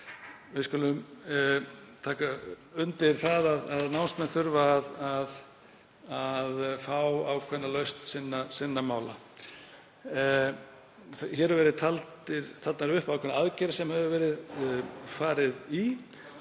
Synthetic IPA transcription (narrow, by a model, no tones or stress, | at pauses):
vɪskʏːlʏm | t̪ʰaːka | ʏnt̪ɪɾ̥θaðaðaðnawnst̪mɛnθʏɾvaːðað | aðfawawkʰvɛnːalœɥst̪sɪnːasɪnːamaːwla̰ | çɛːɾʏvɛɾɪðt̪ʰalt̪ɪɾt̪ʰalt̪naɾʏhpakʰɛnːaaðcɛɾasɛmhɛvʏvɛːɾɪð | faːɾɪði